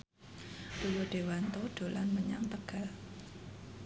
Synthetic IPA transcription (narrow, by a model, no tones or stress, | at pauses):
d̥uwoɖ̪̥e̤want̪oɖ̪̥o̤lanməɲa̰ŋt̪əɡ̥a̤l